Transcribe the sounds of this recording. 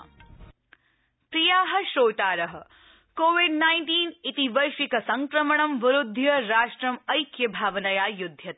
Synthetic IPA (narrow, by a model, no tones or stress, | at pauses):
pɾijaːɦɐ̆ʃoːt̪aːɾɐɦɐ̆ | koːʋiɖnaːjnʈiːnit̪iʋɐjʃʋikɐsɐŋkɾɐmɐɳɐmʋɐɾud̪ʱːjɐɾaːʃʈɾɐmɐjkjɐbʱaːʋɐnɐjaːjud̪ʱːjɐt̪